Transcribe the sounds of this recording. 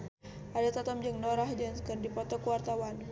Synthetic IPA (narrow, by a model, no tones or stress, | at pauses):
ʔadat̪at̪ɔmd͡ʒaŋnoɾahd͡ʒankɨrdipɔt̪ɔkuwart̪awan